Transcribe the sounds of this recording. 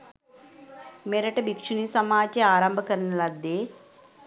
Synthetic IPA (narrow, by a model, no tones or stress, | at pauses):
meɾɐʈɐbikʂunisɐmaːt͡ʃeaːɾɐmbʱɐkɐɾɐnɐlɐd̪e